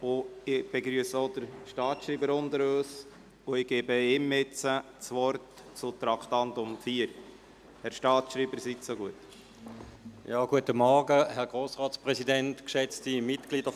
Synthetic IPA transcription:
ʊɪb̥ɛɡɾyəsəod̥əɾʃtɑːtʃɾiːbəɾʊndəɾøːs | ʊɪɡ̥eːbəɪmɪt͡sə | t͡sʋɔɾt | t͡sʊt̪ɾɑktɑntʊmfiːəɾ | hɛɾʃtɑːtʃɾiːbəɾsitsoɡuət | jɑːɡ̥uətəmɔʁɡəhɛʁɡ̥ʁoːsʁɑːt͡spʁɛzidɛntkʃɛt͡stimɪtɡ̥liːd̥ə

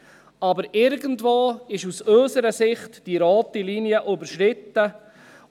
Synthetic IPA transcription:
ɑbəɾɪɾɡəntvoːɪʃusøsəɾəsɪχtd̥iɾɔːt̪iliniəʔʉbəɾʃɾɪtːə

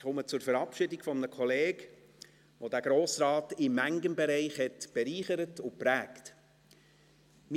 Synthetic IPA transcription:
χʊmət͡sʊɾfəɾɑpʃɪdɪkfɔmənəkʰɔleːk | ʋodæɡ̥ɾoːsɾɑːtɪmːæŋɡənbɛɾɛɪχhɛtb̥ɛɾiːχəɾətʊpɾæːkt | mi

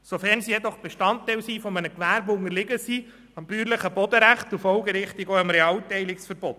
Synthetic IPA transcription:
sofæɾnsijɛd̪ɔχb̥ɛʃtɑntːɛjlsiːfɔmənəkʋæːɾbʊnəɾlɪɡəsiː | ɑmbyːɾləχəbɔd̥̪əɾæχtufɔlɡəɾɪχtiɡoɑmɾɛɑːltɛɪlɪksfəɾbɔt

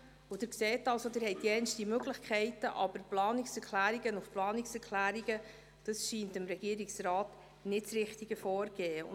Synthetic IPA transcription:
ʊd̥̪ɪːɾksɛːtɑlsod̪ɪːɾhɛɪt̚d̥iɛnʃtimøɡləχkʰɛɪtəʔɑb̥əɾplɑːniksɛɾkʰlæːɾiɡənʊfplɑːniksɛɾkʰlæːɾiɡə | d̥ɑsʃiːntɪmɾɛɡ̥iːəɾiksɾɑːt | nɪtsɾɪχtiɡ̥əfɔːɾɡɛːəʊ̰

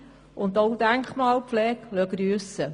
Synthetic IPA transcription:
ʊnd̪owd̪æŋkχmɑːlpflɛːklœɡɾyːsə

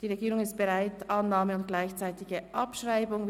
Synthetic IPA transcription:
d̥iːʁeɡiːʁʊŋɪst̚b̥ɛʁaɪtʔɑnːaːməʊnt̚ɡ̥laɪçt͡saɪtɪɡəʔɑpʃʁaɪbʊŋ

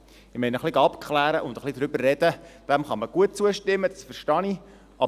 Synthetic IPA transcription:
ɪmɛɪnəχliɡɑpkʰχlæːɾəʔʊndəχlid̪ɾʏbərːɛdəd̥æmχɑməɡ̥uət̚t͡suəʃtɪmːəd̥̪ɑsfəɾʃtɑni | ʔɑ

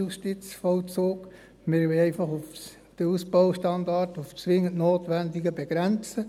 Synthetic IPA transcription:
usʃtit͡sfɔlt͡soːk | mɪɾʋɛɛɪfɑχuf | d̥əusb̥ɔʊʃtɑndɑrtuft͡sʋɪŋəntnoːtʋændiɡəbɛɡ̥ɾɛnt͡sə

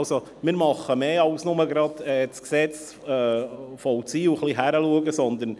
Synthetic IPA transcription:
lso | mɪːɾmɑχəmeːɑwsnʊməɡɾɑd̪̥ɛːsksɛt͡s | ɛːfɔwt͡siːwχliɦæɾəluəɡəsɔnd̪ən

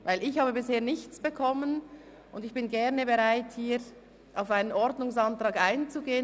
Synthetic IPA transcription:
vaɪlɪçhaːbəbɪsheːɐnɪçt͡sb̥əkʰɔmən | ʔʊndɪçb̥ɪnɡɛɐnəbəʁaɪthiːɾ | ʔaʊfaɪnənɔɾdnʊŋsɑntʁ̥ɑːɡaɪnt͡suɡeːən

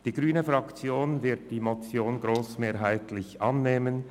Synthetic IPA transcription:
d̥iːɡʁyːnəfʁɑkt͡sjoːnvɪɐt̚d̥iːmot͡sjoːnɡʁoːsmeːɾɦaɪtʰlɪçʔɑnːeːmən

